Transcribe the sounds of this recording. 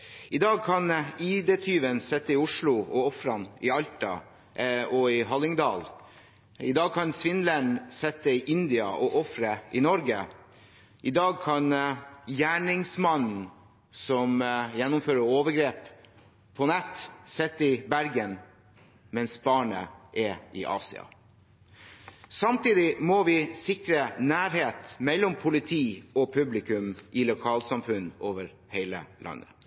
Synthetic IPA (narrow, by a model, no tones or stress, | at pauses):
ɪd̪ɑːɡ̚kʰɑniːd̪eːt̪ʰyːʋənsɛt̪ːəɪʊʂɭʊɔɔfɾɑnɪɑlt̪ɑ̰ | ɔɪɦɑlɪŋd̪ɑːl | ɪd̪ɑːɡ̚kʰɑnsʋɪnləɳsɛt̪ːəɪʔɪnd̪ɪɑ̰ʔɔʔɔfɾəʔɪnɔɾɡə | ʔɪd̪ɑːɡ̚kʰɑnjæːɳɪŋsmɑnn̩ | sɔmjɛnːʊmføːɾəɾoːʋəɾɡɾeːpʰ | ɔnɛt̪ːsɛt̪ːɪbæɾɡən | mɛnsbɑːɳə̰ʔɛʔɪʔɑ̰ːsɪ̰ɑ̰ | sɑmt̪iːd̪ɪmɔʋɪsɪkɾənæːɾheːt̪mɛlːɔmpʰʊlɪt̪ʰiːɔpʰʉblɪkʉmʔɪlʊkʰɑːlsɑmfʉnːoːʋəɾ | heɪlə̰lʔɑ̰nːə